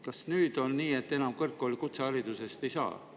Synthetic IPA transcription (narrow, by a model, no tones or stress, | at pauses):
kɑsnyːd̪̥o̞nːiːe̞t̪ːe̞nɑmkɤrkːˑolikut̪seɑɾid̪̥use̞st̪e̞jsɑ̰ː